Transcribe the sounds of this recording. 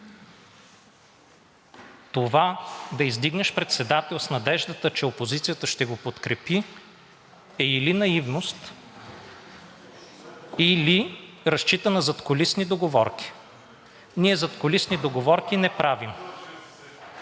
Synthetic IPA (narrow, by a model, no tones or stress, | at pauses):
t̪ovad̪ɐizd̪iɡnɛʃpɾɛt̪sɛd̪at̪ɛlˠsnɐd̪ɛʒd̪ət̪ət͡ʃɛopozit̪sijət̪əʃt̪ɛɡopot̪kɾɛpi | ɛilinɐivnost̪ | ili | ɾɐst͡ʃit̪ənɐzɐt̪kolisnid̪oɡovɔɾkʲi̥ | niɛzɐt̪kolisnid̪oɡovɔɾkʲinɛpɾavim